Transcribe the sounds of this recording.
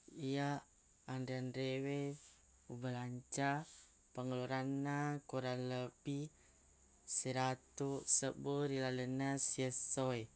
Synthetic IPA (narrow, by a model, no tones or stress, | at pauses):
ijaː | ndɾeanɾewe | ubəlaɲt͡ʃa | pəŋuluɾanːakuɾaləbi | səɾat̪usəbuɾilalənasiəsɔj